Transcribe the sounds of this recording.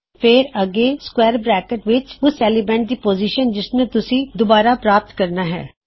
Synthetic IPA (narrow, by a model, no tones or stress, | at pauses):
pʰɪːɾəɡeːskwɛːɾbɾɛːkəʈʋɪt͡ʃʊsɛːlibɛ̃ːɳɖ̚d̪iːpoːziːʃənd͡ʒɪsnet̪ʊsĩːd̪ʊbaːɾaːpɾaːp̚t̪kəɾnaːɦɛ̰ː